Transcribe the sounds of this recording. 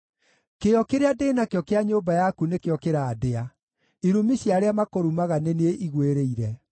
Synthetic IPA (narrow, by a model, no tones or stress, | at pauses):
keɔkeɾeadeːnakeɔkeaɲoːbajakunekeɔkeɾaːdea | iɾumiɕjaɾeamakoɾumaɣaneneeʔiɣweɾeiɾɛ